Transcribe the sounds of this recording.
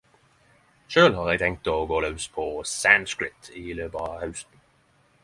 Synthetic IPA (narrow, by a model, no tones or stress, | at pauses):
ʃøːlɦɑːʁɛɡ̚t̪ʰɛŋk̚t̪ɔːɡoːlœʉspʰɔsænskɹɪt̪ʰiːløːbəhœʉst̪n̩